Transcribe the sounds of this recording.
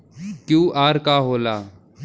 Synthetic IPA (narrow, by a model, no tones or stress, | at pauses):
kjũːʔaːɾkaːɦoːlaː